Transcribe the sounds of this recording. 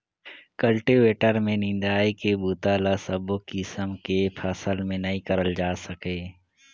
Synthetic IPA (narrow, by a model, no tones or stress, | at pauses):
kəlʈiʋeːʈəɾmẽnɪ̃nd̪aːikebuːt̪aːlasəbokisəmkepʰaːsəlmẽnɐɦĩkəɾəld͡ʒaːsəkeː